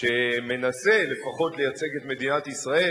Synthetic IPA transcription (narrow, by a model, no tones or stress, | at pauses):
eme̞nase̞le̞faχo̞t̪le̞jat͡se̞ɡe̞t̪me̞d̪inat̪isʁae